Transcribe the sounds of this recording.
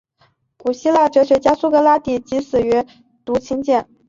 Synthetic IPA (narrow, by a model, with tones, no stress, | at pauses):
ku˨˩ɕi˥la˥˩ʈ͡ʂɤ˧˥ɕɥɛ˧˥t͡ɕja˥su˥kɤ˧˥la˥t̪i˨˩t͡ɕi˧˥sɹ̩˨˩y˧˥ | t̪u˧˥t͡ɕʰi˥ŋt͡ɕjɛ˥˩n